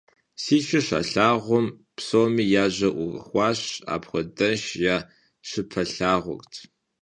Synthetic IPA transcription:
siːʃɪɕa̰ɬaːʁʷɔmpsoːmiːjaːʑɐʔʷʊ̰xʷɑːɕa̰ːpχʷɔdɐnʃjaː | ɕɨpʰɐɬaːʁʷʊ̰ktʰ

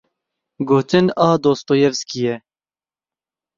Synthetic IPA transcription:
ɡoːt͡ʃɨnɑːd̪oːst̪oːjɛvskijɛ

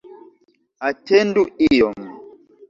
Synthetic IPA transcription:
atɛnduijɔm

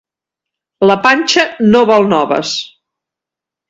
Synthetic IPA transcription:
ləpanʲt͡ʃənoβɔlˠnɔβə̰s

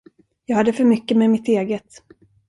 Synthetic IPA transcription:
jɑːɡhad̪ːəfœɾmʏkːəmɛmɪt̪eːɡət̪

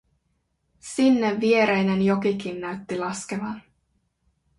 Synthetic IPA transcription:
sinːeʋʋie̞ɾejnenjo̞kikinːæɥt̪ːilɑske̞ʋɑn

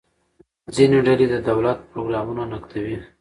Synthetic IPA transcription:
zineɖaled̪əd̪awlat̪̚pɾoɡɾɑmunanakt̪ʰawi

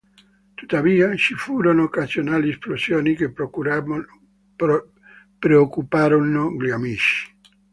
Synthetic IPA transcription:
t̪u̥t̪aviːat͡ʃifuːɾonookasjonaːliesplosjoːnike | pɾeokːupaːɾonoɡliamiʃi̥

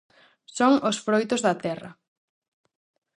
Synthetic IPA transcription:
soŋʊsfɾojt̪ozðɐt̪ɛrɐ̰

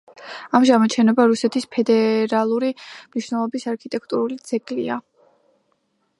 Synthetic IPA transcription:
amʒamɔt͡ʃʰɛnɔbaɾusɛt̪ʰispʰɛd̪ɛɾalˠuɾimniʃwnɛlˠɔbisaɾkʰit̪ʼɛkʰt̪ʼuɾulid̪z̥ɛkʼlḭa

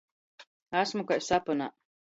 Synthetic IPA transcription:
asmukajsapɔna̰ː

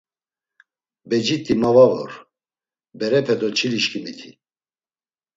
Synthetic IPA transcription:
bɛd͡ʒit̪ʼimavavɔ̰ɾ | bɛɾɛpʰɛd̪ɔt͡ʃʰiliʃkʰʼimit̪ʰi

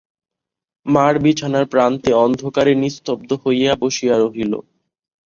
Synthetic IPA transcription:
maɾbit͡ɕʰanaɾpɾant̪eɔnd̪ʱokaɾenist̪ob̚d̪ohojaboʃijaɾoɦilo̰

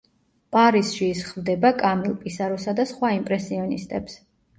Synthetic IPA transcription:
pʼaɾisʃiːsχvd̪ɛbakʼamilˠpʼisaɾɔsad̪asχwaimpʼɾɛsiɔnist̪ʼɛps

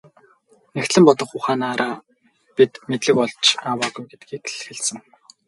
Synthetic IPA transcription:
nekt̪ɮɘ̆mpɔt̪ɞ̆χʊχaːnaːɾaː | pit̪met̪ɮɘ̆kɔɮt͡ɕʰaːwaːɣujɡet̪ɡiːk̚ʰxĕɮsɘ̆ŋ

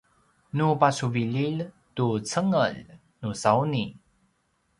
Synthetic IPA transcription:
nupasuvilil | tut͡səŋəl | nusauni

